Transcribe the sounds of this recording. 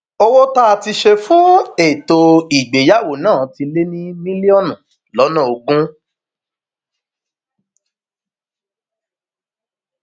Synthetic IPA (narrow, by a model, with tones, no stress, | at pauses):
o˧wo˦ta˦a˨ti˧ʃe˧fũ˦e˦˨to˧i˨ɡ͡be˨ja˦˨wo˨nãː˦˨ti˧le˦nĩ˦mĩ˦li˦ɔ˦˨nũ˨ | lɔ˨˦nã˦˨o˧ɡũ˦